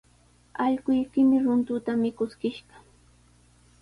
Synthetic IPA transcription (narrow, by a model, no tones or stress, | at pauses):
ɑʎɢʊjkɪmɪɾʊnt̪ʊt̪amɪkʊskɪʃɢɑ